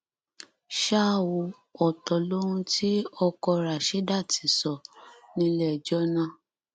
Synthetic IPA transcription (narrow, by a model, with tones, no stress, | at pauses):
ʃa˦˨wo˨˧˦ | ɔ˨tɔ˨lo˦ɾũ˦ti˦ɔ˧kɔ˧ɾa˨ʃɛ˨˦da˦˨ti˨˦sɔ˨nĩ˧lɛ˦˨d͡ʒɔ˦nã˦˨